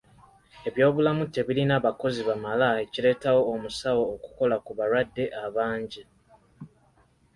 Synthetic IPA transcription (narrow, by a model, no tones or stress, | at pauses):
e̞βjo̞ːβulamute̞βilinaːβako̞ziβamalae̞cile̞ːtawo̞ːmusawo̞ːku̥ko̞lakuβaɾwadːe̞ʔaβaːɲɟi